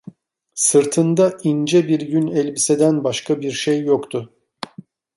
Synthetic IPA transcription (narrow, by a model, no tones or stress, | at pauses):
sɯɾt̪ʰɯnd̪aind͡ʒɛbiɾɟynɛlʲbised̪ænbaʃkʰabiɾʃejːokt̪ʰʊ